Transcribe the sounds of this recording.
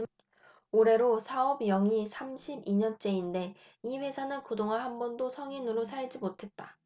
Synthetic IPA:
oɾe̞ɾosʰaʌbjʌŋisʰamɕʰibiɲʌnt͡ɕ͈e̞inde̞ | iɸwe̞sʰanɯnkɯdoŋaɦanbʌndosʰʌŋinɯɾosʰaɭd͡ʑimotʰe̞t̚t͈a

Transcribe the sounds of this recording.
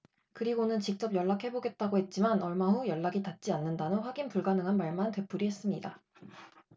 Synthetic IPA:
kɯɾiɡonɯnt͡ɕik̚t͡ɕ͈ʌp̚jʌɭːakʰhe̞boɡe̞t̚t͈aɡoɦe̞t̚t͡ɕ͈imanʌɭmaɸujʌɭːaɡitat̚t͡ɕ͈ianːɯndanonɸwaɡinpuɭɡanɯŋɦanmaɭmante̞p͈ʰuɾiɦe̞s͈ɯmɲida

